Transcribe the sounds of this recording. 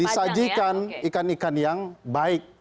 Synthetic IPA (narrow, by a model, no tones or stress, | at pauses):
isad͡ʒikanikanikanjaŋbaɪk̚